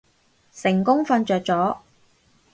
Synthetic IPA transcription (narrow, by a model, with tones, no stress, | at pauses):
sɪ˨˩ŋkʊ˥ŋfɐ˧nt͡ʃœː˨k̚t͡sɔː˨˥